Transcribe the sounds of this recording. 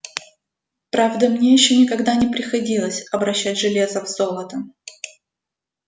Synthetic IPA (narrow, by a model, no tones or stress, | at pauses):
pɾavd̪əmnʲejɪɕːɵnʲɪkɐɡd̪anʲɪpɾʲɪxɐdʲilˠəsʲɐbɾɐɕːætʲʐɨlʲe̞zəvz̥o̞lˠət̪ə